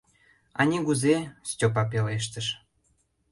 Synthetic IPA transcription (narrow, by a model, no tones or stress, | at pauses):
ɑnʲiɣuzestʲopɑp̬eleʃ̬t̪əʃ